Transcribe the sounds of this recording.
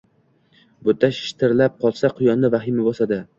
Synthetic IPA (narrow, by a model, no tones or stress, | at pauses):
bʊt̪ʰːaʃɪ̥ʃt̪ʰɪɾlap̚qʰɒlˠsaqʰʊjɒnːɪvaɦɪmɪbɒsad̪ɪ